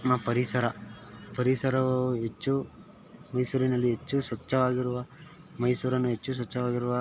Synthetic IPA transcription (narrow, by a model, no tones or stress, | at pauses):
napɐɾisɐɾɐpɐɾisɐɾɐʋɐɦet͡ʃːu | mɐjsuːɾinɐlːiɦet͡ʃːusʋɐt͡ʃːɐʋaːɡiɾuʋɐ | mɐjsuːɾɐnːuɦe̞t͡ʃːus̬ʋɐt͡ʃːɐʋaːɡiɾuʋɐ